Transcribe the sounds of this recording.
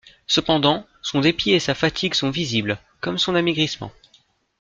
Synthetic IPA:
səpɑ̃d̪ɑ̃ | sɔ̃d̪epiesafat̪ʰiɡsɔ̃vizibl | kɔmsɔ̃namiɡʁismɑ̰̃

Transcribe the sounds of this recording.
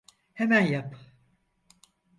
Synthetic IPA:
hemænjap

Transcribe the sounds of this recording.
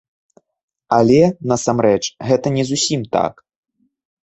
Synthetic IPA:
alʲɛnɐsamɾɛt͡ʂɣɛt̪ɐnʲɛzusʲimt̪a̰k

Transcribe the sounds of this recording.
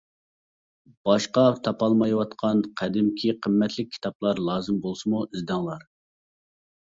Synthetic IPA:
b̥ɑʃqɑt̪ʰɑpɑlˠmɑjwɑt̪qʰɑnqʰæd̪ɪmkʲʰiqʰəmːɛt̪ʰlɪk̚ʲʰːi̥t̪ʰɑplˠɑɾlˠɑːzɨmbolˠsɨmuizd̪ɑŋlˠɑɾ

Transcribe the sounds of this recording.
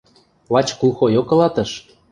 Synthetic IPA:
βɑt͡ɕkulxojokɤ̆lɑt̪ɤ̆ʃ

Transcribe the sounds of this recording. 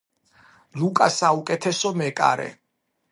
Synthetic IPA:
lukʼasaukʼɛt̪ʰɛsɔmɛkʼa̰ɾɛ̰

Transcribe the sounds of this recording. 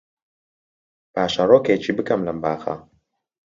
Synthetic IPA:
paːʃaɾoket͡ʃibɨkɐmlɐmbaːxa̰

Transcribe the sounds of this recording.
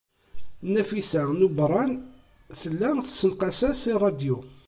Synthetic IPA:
næfisænubɾˤɑn | θəlːæθsəlqɑsæsirˤːɑd̪ju

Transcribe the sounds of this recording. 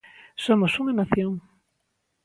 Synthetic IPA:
somosuŋanaθjoŋ

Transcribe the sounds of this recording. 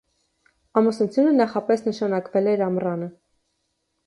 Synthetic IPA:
ɑmusnut͡sʰjunənɑχɑpɛsnəʃɑnɑkvɛlɛɾɑmrɑnə

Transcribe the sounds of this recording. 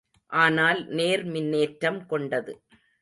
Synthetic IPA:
ʔaːnaːlneːɾmɪnːeːʈɾɐmkɔɳɖɐðɯ̰

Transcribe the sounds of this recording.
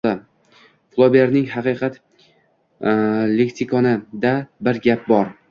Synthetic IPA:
a | flˠobʲeɾnɪŋɦɑqɨqʰɑt̪ | lekt̪ikʰɒnɪd̪abɪɾɡʲap̚bɒɾ

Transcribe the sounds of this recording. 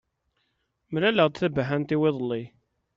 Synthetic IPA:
mlæləʁd̪θəbːɦænt̪iwɪðˤəlːi

